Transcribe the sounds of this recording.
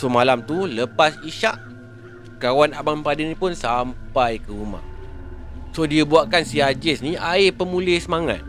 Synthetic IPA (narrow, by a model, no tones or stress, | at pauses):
somalamt̪uləpasiʃaʔ | kawanabampadinĩpʊnsampajkəɾuma̰h | sodiəbuaʔkansiɦad͡ʒɪsniaɪpəmũlɪhsəmaŋa̰t̪̚